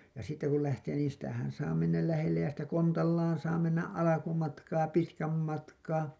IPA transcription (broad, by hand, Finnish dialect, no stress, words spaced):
jɑ sitːe kul læhteː niːn sitæhæn sɑː menːæl læhelːej jɑ sitæ kontɑlːɑːn sɑː menːæʔ ʔɑlɑkumɑtkɑː pitkæm mɑtkɑː